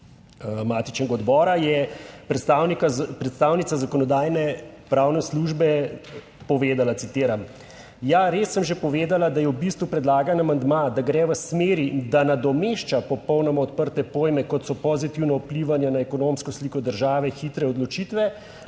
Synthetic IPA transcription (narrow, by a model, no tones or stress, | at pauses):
mat̪it͡ʃnɛɡaɔd̪bɔːɾajɛpɾɛst̪awnikpɾɛt̪st̪awnit̪sazakɔnɔd̪aːjnɛpɾaːwnɛsluʒbɛ | pɔʋeːd̪alat̪sit̪eːɾam | jaɾesːəmʒepɔʋeːd̪alad̪ajɛwbist̪ʋupɾɛd̪laːɡanamand̪mad̪aɡɾɛʋəsmeːɾid̪anad̪ɔmeʃt͡ʃapɔpɔwnɔmaɔt̪̚pəɾt̪ɛpoːjmɛkɔt̪sɔpɔzit̪iwnɔpliʋanjanaɛkɔnomskɔslikɔd̪əɾʒaːʋɛxit̪ɾɛɔd̪lɔt͡ʃit̪ʋɛ